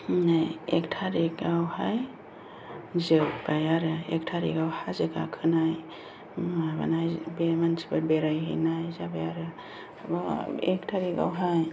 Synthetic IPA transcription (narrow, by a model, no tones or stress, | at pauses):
najektʰaɾekawhaj | zɯbajaɾɯek̚tʰaɾḭɡawhazɯɡa̰kʰɯnaj | aba̰najbemansi̥bɯbeɾajɦḭnajzabajaɾɯ | bɔektʰaɾiɡa̰wɦaj